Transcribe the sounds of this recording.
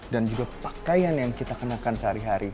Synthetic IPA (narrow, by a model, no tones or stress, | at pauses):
dand͡ʒuɡapakajanjaŋkit̪akənakansəɦaɾiɦaɾi